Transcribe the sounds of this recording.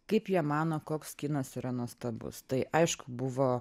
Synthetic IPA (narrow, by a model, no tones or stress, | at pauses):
kɐɪpjiɛmɑːnoːkoːkskʲɪnɐsiɾɐnuɔst̪ɐbʊ̰st̪ɐɪʔɐɪʃkʊbʊʋoː